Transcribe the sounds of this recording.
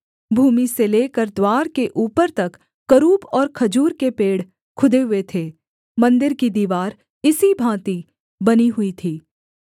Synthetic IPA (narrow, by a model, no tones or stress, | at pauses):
bʱuːmiseleːkəɾd̪waːɾkeʔuːpəɾt̪ɐkː | ɐɾuːbɔːɾkʰɐd͡ʒuːɾkepeːɽ | kʰʊd̪eɦʊet̪ʰeː | mɐ̃nd̪ɪɾkid̪iːʋaːɾ | ɪsibʱãːt̪i | bɐniɦʊit̪ʰiː